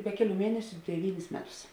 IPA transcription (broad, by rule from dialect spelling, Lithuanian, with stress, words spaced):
ˈbʲɛ kʲɛˌlʲuː ˈmʲiɛnʲɛsʲʊ dʲɛˈʋʲiːnʲɪs ˈmʲæːˌtʊs